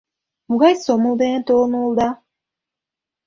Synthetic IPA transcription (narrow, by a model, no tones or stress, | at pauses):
muɣɑjsomulˠd̪enent̪ʰolˠnuːlˠd̪ɑ